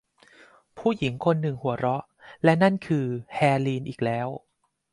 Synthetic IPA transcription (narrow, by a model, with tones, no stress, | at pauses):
pʰuː˥˩ji˩˦ŋkʰo˧nːɯ˨˩ŋhu˨˩˦ɐɾɔ˦˥ʔ | lɛ˦˥na˥˩nkʰɯː˧hɛː˧liː˧nʔiː˨˩k̚lɛː˦˥w